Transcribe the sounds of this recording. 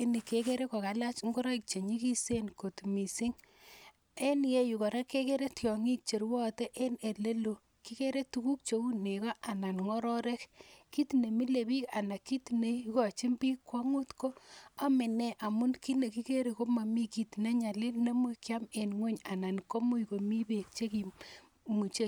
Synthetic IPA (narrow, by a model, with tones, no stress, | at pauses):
i˦ni˨ke˨ke˦ɾe˦ko˨ka˨la˦t͡ʃŋɡo˦ɾa˦ik̚t͡ʃe˨ɲi˦ki˦se˦nko˨tmi˨si˦ŋ | e˦nje˦ju˨kɔ˨ɾa˦ke˦ke˦ɾe˦tjɔ˨ŋi˦k̚t͡ʃe˨ɾwɔ˦te˦ʔe˦ne˨le˦lo˨ | ki˦ke˦ɾe˦tu˦ku˦k̚t͡ʃo˦u˦ne˨kɔ˦ʔa˨na˨nŋɔ˦ɾɔ˦ɾe˦kki˦tne˨mi˦le˨bi˦ka˨na˨kːi˦tne˨ukɔ˨t͡ʃi˦mbi˦kwɔ˦ŋu˦tko˦a˦me˨ne˨ʔa˨mu˦nki˦ne˨ki˦ke˦ɾe˨ko˦ma˨mi˦ki˨tne˦ɲa˨le˦nːe˦mu˦kja˦me˨nŋwo˦ɲa˨na˨nko˦mu˦jko˨mi˦be˨k̚t͡ʃe˦ki˨ | mu˨t͡ʃe˦